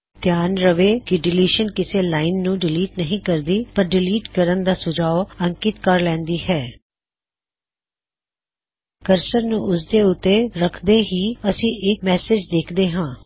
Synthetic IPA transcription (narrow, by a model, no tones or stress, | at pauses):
t̪jaːnɾəʋeːkɪɖɪliːʃənkɪseːlaːɪnːũːɖɪliːʈnəɦĩːkəɾd̪iːpəɾɖɪliːʈkəɾənd̪aːsʊd͡ʒaːoəŋkɪt̪kəɾlɛ̃ːnd̪iːhɛː | kəɾsəɾnũːʊsd̪eːʊt̪ːeːɾəkʰd̪eːɦiːəsĩːʔɪk̚mɛːsɪd͡ʒd̪eːkʰd̪eːɦãː